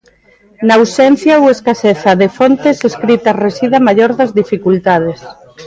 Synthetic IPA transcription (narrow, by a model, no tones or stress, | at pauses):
nausɛn̟θjaoweskaseθɐðefont̪eseskɾit̪ɐresiðamaʎoɾðɐzðifikult̪að̞es